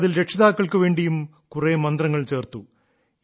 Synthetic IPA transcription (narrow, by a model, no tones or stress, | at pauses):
ðilɾekʂɐðaːkːɐɭkɨʋe̞ːɳɖijum | kuremɐnd̪rɐŋːɐɭt͡ɕe̞ːrt̪u